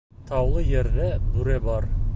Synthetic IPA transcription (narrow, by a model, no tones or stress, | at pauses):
t̪ʰɑwlˠɤjɘ̆ɾʁæbʉɾæbɑɾ